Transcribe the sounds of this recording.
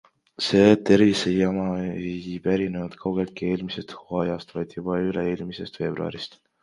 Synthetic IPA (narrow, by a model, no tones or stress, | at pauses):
se̞ːt̪e̞rvisejɑmɑeejpæɾinenud̪̥kʰɑwɡ̥elt̪̚kie̞ːlmise̞st̪huɑjɑst̪vɑjd̪̥jub̥ɑyleeːlmise̞st̪fe̞ːb̥ruɑ̰ɾist̪